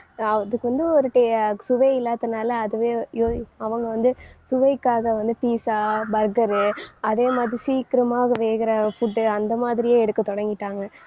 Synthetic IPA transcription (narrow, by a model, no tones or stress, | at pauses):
ɐðɯkːɯʋɐnd̪ɯɔɾɯʈːejɐsʊʋɐɪɪlːaːt̪ːɯnaːlɐɐðɯʋeːoːɐʋɐŋɡɐʋɐnd̪ɯsʊʋɐɪkːaːɣɐʋɐnd̪ɯpiːsaːbɐɾɡɐɾɯɐðeːmaːðɪɾisiːkɪɾɐmaːɣɐʋeːɣɪɾɐfʊʈːɯɐnd̪ɐmaːðɪɾɪjeːɛɽɯt̪ːɯt̪ːɔɽɐŋɡɪʈːaːŋɡɐ